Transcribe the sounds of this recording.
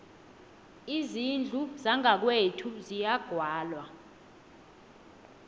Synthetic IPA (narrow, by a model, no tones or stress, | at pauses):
izind͡ɮʱuzaŋʱak̬wetʰuzijaɡ̥ʱwaːlwa